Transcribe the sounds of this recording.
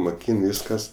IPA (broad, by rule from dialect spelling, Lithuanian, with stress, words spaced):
moːˈkʲiːn ˈʋʲiːskɐs